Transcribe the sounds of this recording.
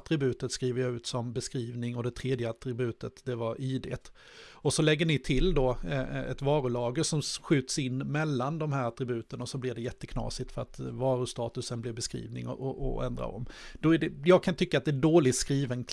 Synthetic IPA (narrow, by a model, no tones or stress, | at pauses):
t̪ɾɪbʉ̟ːt̪ət̪skɾiːvəɾjɑʉ̟ːt̪sɔmbɛskɾiːvnɪŋɔd̪ɛt̪ʰɾeːd̪jəat̪ɾɪbʉ̟ːt̪ət̪d̪ɛvaɾiːd̪ḛːt̪ | ɔsɔlɛɡːəɳɪt̪ʰɪld̪ɔɛ̰t̪vɑːɾʊlɑːɡəʂɔmɧʉ̟ːt̪əsɪnːmɛlːand̪ɔmɦæːɾat̪ɾɪbʉ̟ːt̪ənɔsɔblɪɖ̪ɛjɛt̪ːəkʰnɑ̰ːsɪt̪fœɾat̪vɑːɾɵst̪ɑːt̪ɵsənblɪvbɛskɾḭːvnɪ̰ŋɔ̰ʔʔɔ̰ɛ̰nd̪ɾa̰ɾɔ̰mːd̪̥ɔæɖɛjɑːɡ̚kʰant̪ʰʏkːat̪̚d̪ɛæɖoːlɪɡ̪skɾiːvənkʰ